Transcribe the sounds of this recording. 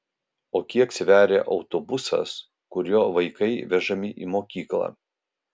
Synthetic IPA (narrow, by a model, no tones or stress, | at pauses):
oːkʲiɛksʲʋʲæːɾʲeːʔɒʊt̪oːbʊsɐ̰s | kʊɾʲjoːʋɐɪkɐɪʋʲɛʒɐmʲɪʔiːmoːkʲiːklˠɑ̰ː